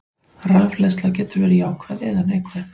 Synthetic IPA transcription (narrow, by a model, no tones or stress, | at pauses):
raːvlɛst̪lacɛːt̪ʏɾvɛːɾɪjaːwkʰvaðɛːðanehkʰvɛθ